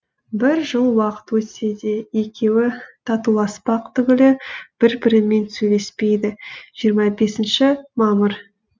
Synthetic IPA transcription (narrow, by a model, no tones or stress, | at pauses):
bɪɾʒəlˠwɑqə̥t̪wɵt̪sed̪e̞je̞kʲe̞wɪt̪ʰɑt̪ulˠɑspɑqt̪ʰʏɡʲɪlɪb̥ɪɾbɪɾɪme̞nsɵjle̞spe̞jd̪ɪʒ̥ijəɾmɑbe̞sɪnʃɪmɑməɾ